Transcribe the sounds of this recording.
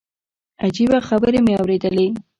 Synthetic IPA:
ad͡ʒibaxabəɾemeawɾed̪əle

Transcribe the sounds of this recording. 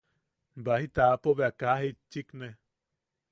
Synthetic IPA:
bahit̪apoβeakaɦet͡ʃːikne

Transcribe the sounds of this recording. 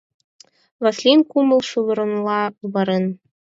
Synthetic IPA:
vɑslʲinkumɤ̆lˠʃulˠɤ̆ɾɤ̆nlˠɑβɤɾɤ̆n

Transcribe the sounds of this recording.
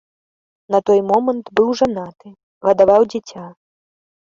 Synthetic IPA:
nɐt̪ɔjmɔmɐnt̪bɨwʐanat̪ɨ | ɣɐd̪avawd͡zʲɛt͡sʲa

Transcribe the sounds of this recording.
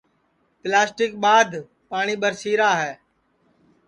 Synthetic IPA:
plaːsʈɪk̚ɓaːd̪ʱ | paːɳ̃iːɓəɾsiːɾaːɦɛː

